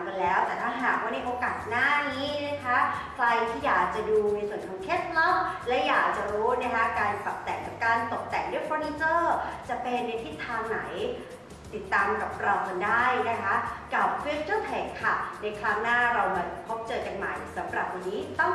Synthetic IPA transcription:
ka˧nlɛː˦˥wt̪ɛː˨˩t̪ʰaː˥˩ɦaː˨˩k̚waː˥˩na˧ʔoː˧kaː˨˩t̪̚naː˥˩niː˦˥na˦˥kʰa˦˥kʰɾa˧jt̪ʰiː˥˩jaː˨˩k̚t͡ɕa˨˩duː˧na˧jsu˨˩ənkʰɔː˨˦ŋkʰeː˦˥˩t̪̚lɔ˥˩mlɛ˦˥wjaː˨˩k̚t͡ɕa˨˩ɾuː˦˥na˦˥˩kʰa˦˥kaː˧nka˨˩p̚t̪ɛ̰˨˩ŋka˨˩p̚kaː˧nt̪o˨˩k̚t̪ɛ˨˩ŋdu˥˩ə˨jfɔː˧ni˧˥t͡ɕɤː˥˩t͡ɕa˨˩pe˧nːa˧jt̪ʰi˦˥t̪ʰːaː˧ŋna˩˦j | t̪i˨˩t̪ːaː˧mka˨˩p̚kɾɔː˧kʰa˧ndaː˥˩jna˦˥kʰa˦˥ka˨˩p̚fi˦˥st͡ɕɯ˥˩t̪ʰɛː˨˩kʰːa˥˩na˧jkʰɾa˦˥ŋnaː˥˩ɾa˧wɦa˨˩tpʰo˦˥p̚t͡ɕɤː˧t͡ɕa˧ŋma̰˨˩jsa˩˦mɾa̰˨˩p̚wa˧nːiː˦˥t̪ɔ˥˩ŋ

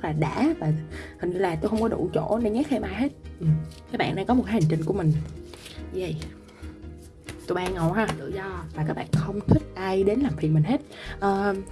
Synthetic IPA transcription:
zə˦˥k̚laː˨˩ɗa̰ː˧˥vaː˨˩hï˨˩ŋlaː˨˩t̪o˧jxə˧wŋ͡mkɔ˨˦ɗṵ˧˩t͡ɕo̰˧˥ne˧ɲɛ˦˥k̚hɛ˧mʔaː˧jɦe˦˥t̚ʔɨ˨˩mka˦˥k̚ɓa̰ː˧˨nːʔaː˧˩kɔ˨˦m˨˩tka˨˦j̟t͡ɕï˧ŋ̟ku˧˩əmï˨˩ŋ̟˧ | və̰˧˨j | t̪o˧jmaː˧ŋo˨˩wɦaː˧˩t̪ɨ̰˧˨zɔ˧vaː˨˩kaː˦˥k̚ɓa̰ː˧˨nxə˧wŋ͡mt̪ʰï˦˥k̚ʔa˧jɗe˨˦nlaː˨˩mfi˨˩ənmï˨˩ŋ̟ɦe˦˥t̚ʔəː˨˩

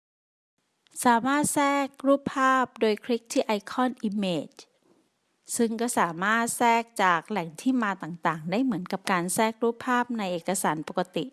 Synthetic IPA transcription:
saː˩˦maː˥˩t̪̚sɛː˥˩k̚ɾuː˦˥˩pʰːaː˥˩p̚doː˧jkʰɾi˦˥k̚t̪ʰiː˥˩ʔa˧jkʰɔː˥˩nʔi˧meː˧˩t͡ɕ | sɯ˥˩ŋkɔː˥˩saː˩˦maː˥˩t̪̚sɛː˥˩k̚t͡ɕaː˨˩k̚lɛ˨˩ŋt̪ʰiː˥˩maː˧t̪aː˨˩ŋt̪aː˨˩ŋdaː˥˩jmɯ˩˦ənka˨˩p̚kaː˧nsɛː˥˩k̚ɾuː˦˥˩pʰːaː˥˩p̚na˧jʔeː˨˩ka˧saː˩˦npo˨˩ka˧t̪i˨˩ʔ

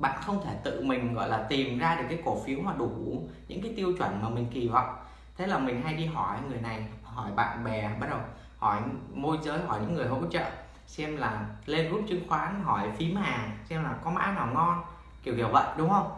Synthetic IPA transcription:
ɓa̰ː˧˨nxə˧wŋ͡mt̪ʰe˧˩t̪ɨ̰˧˨mï˨˩ŋ̟ɣɔ̰˧˨jlaː˨˩t̪i˨˩mzaː˧ɗɨ˨˩əkːaː˨˦jko˧˩fi˨˦əwmaː˨˩ɗu˧˩ɲɨ̰˧˥ŋkaː˨˦jt̪i˧əwt͡ɕwə˧˩nmaː˨˩mï˨˩ŋ̟ki˨˩va̰˧˨wŋ͡m | t̪ʰe˨˦laː˨˩mï˨˩ŋ̟ɦa˧jɗi˧ɦɔ˧˩ja˨˦jŋɨ˨˩əjna˨˩jɦɔ˧˩jɓa̰ː˧˨nɓɛ˨˩ɓaː˦˥t̚ɗə˨˩w | hɔ˧˩jmo˧jzəː˨˦jɦɔ˧˩jɲɨ̰˧˥ŋːɨ˨˩əjɦo̰˧˥t͡ɕə̰ː˧˨ | sɛ˧mlaː˨˩le˧nzu˦˥p̚t͡ɕɨ˧ŋxwaː˨˦nɦɔ˧˩jfi˨˦maː˨˩ŋsɛ˧mlaː˨˩kɔ˨˦ma̰ː˧˥naː˨˩wŋɔ˧n | ki˧˩əwkḭ˧˩əwvə̰˧˨jɗʊ˨˦ŋ͡mhə˧wŋ͡m

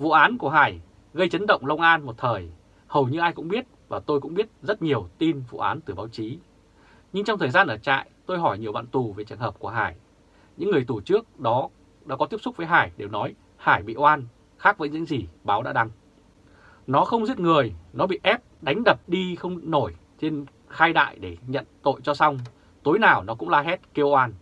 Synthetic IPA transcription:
vṵ˧˨ʔaː˨˦nku˧˩əɦaː˧˩j | ɣə˧jt͡ɕə˨˦nɗə̰˧˨wŋ͡mlə˧wŋ͡mʔaː˧nmo˨˩t̚t̪ʰəː˨˩j | hə˨˩wɲɨ˧ʔaː˧jkʊ̰˧˥ŋ͡mɓi˦˥ət̚vaː˨˩t̪o˧jkʊ̰˧˥ŋ͡mɓi˦˥ət̚zə˦˥t̚ɲi˨˩əwt̪i˧nvṵ˧˨ʔaː˨˦nt̪ɨ˨˩ɓaː˨˦wt͡ɕi˨˦ | ɲɨ˧ŋt͡ɕɔ˧ŋ͡mt̪ʰəː˨˩zaː˧nʔəː˧˩t͡ɕa̰ː˧˨jt̪o˧jɦɔ˧˩jɲi˨˩wɓa̰ː˧˨nt̪u˨˩ve˨˩t͡ɕɨ˨˩əŋɦəː˨˩p̚ku˧˩əɦaː˧˩j | ɲɨ̰˧˥ŋːɨ˨˩əjt̪u˧˩t͡ɕɨ˦˥ək̚ɗɔ˨˦ | ɗa̰ː˨˥kɔ˨˦t̪i˦˥əp̚sʊ˦˥k͡p̚əː˨˦jɦaː˧˩jɗe˨˩wnɔ˨˦j | haː˧˩jɓḭ˧˨ʔwaː˧n | xaː˦˥k̚və̰ː˨˦ɲɨ̰˧˥ŋzi˨˩ɓaː˨˦wɗa̰ː˧˥ɗa˧ŋ | nɔ˨˦xə˧wŋ͡mzi˦˥t̚ŋɨ˨˩əjnɔ˨˦ɓḭ˧˨ʔɛ˦˥p̚ɗa˨˦jŋ̟ɗə˨˩p̚ɗi˧xə˧wŋ͡mno˧˩j | t͡ɕe˧n | xaː˧jɗa̰ː˧˨jɗe˧˩ɲə̰˧˨nt̪o̰˧˨jt͡ɕɔ˧sa˧wŋ͡m | t̪o˨˦jnaː˨˩wnɔ˨˦kʊ̰˧˥ŋ͡mlaː˧ɦɛ˦˥t̚ke˧wʔaː˧n

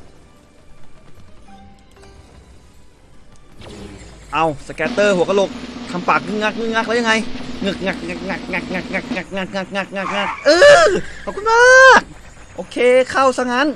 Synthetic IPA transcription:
ʔa˧˩wsa˧˩kɛː˧˥t̪ɤː˧˩hu˨˦ka˧lo˧˥k̚t̪ʰa˧˩mpaː˨˩k̚ŋɯ˧˩ŋa˧˥˩k̚ŋɯ˧˩ŋa˧˥k̚lja˧ŋa˧˥jŋɯ˧˩k̚ŋa˧˩k̚ŋa˧˩k̚ŋa˧˩k̚ŋa˧˩k̚ŋa˧˩k̚ŋa˧˩k̚ŋa˧˩k̚ŋa˧˩kŋa˧˩k̚ŋa˧˩k̚ŋa˧˩k̚ŋa˧˩k̚ʔɤː˧˩pkʰu˧˦maː˦˥k̚ | ʔoː˧˩kʰeː˧˩kʰa˧˥˩wsa˧ŋaː˧˥˨n

